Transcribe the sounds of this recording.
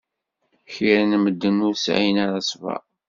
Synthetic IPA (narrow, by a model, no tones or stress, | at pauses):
çiɾənməd̪ːənʊɾsʕḭjnaɾasvæ̰